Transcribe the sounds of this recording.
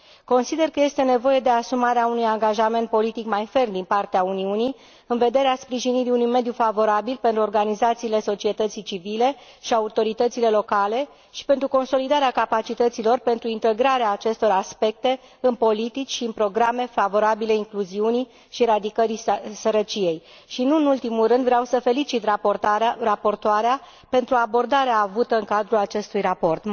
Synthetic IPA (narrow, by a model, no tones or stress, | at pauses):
ko̞nsid̪e̞rkəje̞st̪e̞ne̞vo̞je̞d̪e̞asumaɾeaunujaŋɡaʒame̞nt̪̚po̞lit̪ikmajfe̞rnd̪inpart̪eauniuni | ɨnve̞d̪e̞ɾeaspɾiʒiniɾiunujme̞d̪jufavo̞ɾabilpe̞nt̪ɾuo̞rɡanizat̪siːle̞so̞t͡ʃie̞t̪ət̪sit͡ʃivile̞ | ʃiaut̪o̞ɾit̪ət̪sile̞lo̞kale̞ | ʃi̥pe̞nt̪ɾuko̞nso̞lid̪aɾeakapat͡ʃit̪ət̪silo̞rpe̞nt̪ɾuint̪e̞ɡɾaɾeaːt͡ʃe̞st̪o̞ɾaspe̞k̚t̪e̞ | ɨnpo̞lit̪it͡ʃʲʃiɨnpɾo̞ɡɾame̞favo̞ɾabile̞iŋkluziuni | ʃiɾad̪ikəɾisəɾət͡ʃije̞j | ʃinuɨnult̪imulrɨnd̪vɾeawsəfe̞lit͡ʃit̪ | rapo̞rt̪oaɾea | pe̞nt̪ɾuabo̞rd̪aɾeaːvut̪əɨŋkad̪ɾulat͡ʃe̞st̪ujrapo̞rt̪